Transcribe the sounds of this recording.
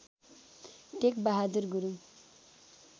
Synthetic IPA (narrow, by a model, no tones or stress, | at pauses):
t̪ekbaɦad̪urɡuɾu